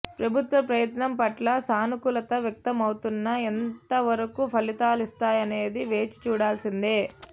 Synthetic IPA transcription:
pɾɐbʱut̪ʋɐpɾɐjɐt̪nɐmpɐʈlɐsaːnukulɐt̪ɐʋjɐk̚t̪ɐmɐwt̪unːɐent̪ɐʋɐɾɐkupʰɐlit̪aːlist̪aːjɐne̞ːd̪iʋe̞ːt͡ʃi̥t͡ʃuːɽaːlsind̪eː

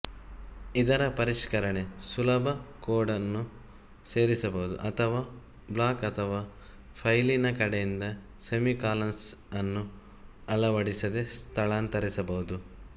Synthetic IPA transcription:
id̪ɐɾɐpɐɾiʂkɐɾɐɳe̞sulɐbʱɐkoːɖɐnːu | seːɾisɐbɐɦud̪ṵʔɐt̪ʰɐʋaː | blaːkɐt̪ʰɐʋaː | pʰɐjlinɐkɐɽejind̪ɐ | semikaːlɐnsɐnːu | ɐɭɐʋɐɽisɐd̪e̞st̪ʰɐɭaːnt̪ɐɾisɐbɐɦud̪u

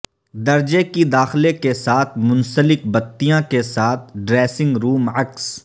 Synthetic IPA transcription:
d̪ɐɾd͡ʒekid̪aːxlekesaːt̪ʰmʊnsəlɪkbɐt̪ːijãkesaːt̪ʰɖɾeːsɪ̃ŋɡɾuːmɐks

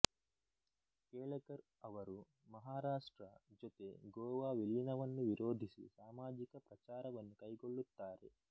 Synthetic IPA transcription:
keːɭɐkɐɾ | ɐʋɐɾu | mɐɦaːɾaːʂʈɾɐd͡ʒot̪eɡɔːʋaːʋiliːnɐʋɐnːuʋiɾʔo̞ːd̪ʱisḭsaːmaːd͡ʒikɐpɾɐt͡ʃaːɾɐʋɐnːukɐjɡo̞ɭːut̪ːaːɾḛ

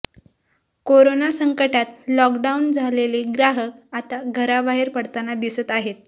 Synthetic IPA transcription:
koɾonasəŋkəʈat̪lɔkɖaund͡zʱaleleɡɾaɦəkat̪aɡʱəɾabaɦeɾpəɽt̪anad̪isət̪aɦet̪̚

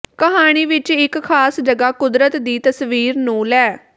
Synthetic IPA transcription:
kəɦaːɽ̃iːʋɪt͡ʃɪkkʰaːsd͡ʒəɡaːkʊd̪ɾət̪d̪iːt̪əsʋiːɾnũːlɛː

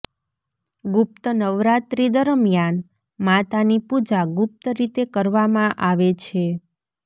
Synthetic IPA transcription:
ɡʊp̚t̪ənəʋɾat̪ɾid̪əɾmjan | mat̪anipud͡ʒaɡʊp̚t̪əɾit̪ekəɾʋamãʔaʋet͡ʃʰe

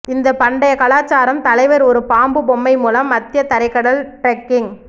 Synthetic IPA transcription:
ɪnd̪ɐpɐɳɖɐjɐkɐlaːt͡ʃːaːɾɐmt̪ɐlɐɪʋɐɾɔɾɯpaːmbɯbɔmːɐɪmuːlɐmːɐt̪ːɪjɐt̪ɐɾɐɪkːɐɽɐlʈɾɐkːɪŋ

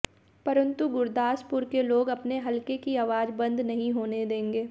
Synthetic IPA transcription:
pɐɾə̃nt̪uɡʊɾd̪aːspʊɾkeloːɡɐpneɦɐlkekiaːʋaːd͡ʒbɐ̃nd̪nɐɦĩɦoːned̪ẽːŋɡeː

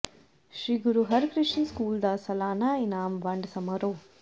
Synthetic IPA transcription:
ʃɾiːɡuɾuɦɐɾkɾiʃɐnskuːld̪asɐlaːnaːinaːmʋɐɳɖɐsɐmɐɾoː

